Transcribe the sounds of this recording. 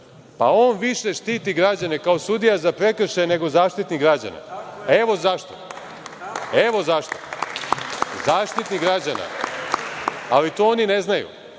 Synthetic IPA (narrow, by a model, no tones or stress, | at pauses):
pa̰o̞ːnʋiʃe̞ʃt̪iːt̪iɡɾad͡ʑane̞kao̞sud̪ijazapɾe̞kr̩ʃajne̞ɡo̞zaːʃt̪it̪niɡɾad͡ʑa̰na̰e̞ʋo̞zaʃt̪o̞̰ | eʋo̞zaʃt̪o̰ | zaːʃt̪it̪niɡɾad͡ʑana̰ | alit̪oonine̞znajṵ